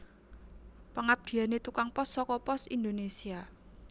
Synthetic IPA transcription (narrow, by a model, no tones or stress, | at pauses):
pəŋab̚d̪̥i̤anet̪ukaŋpɔsːɔkɔpɔsḭnd̪onesia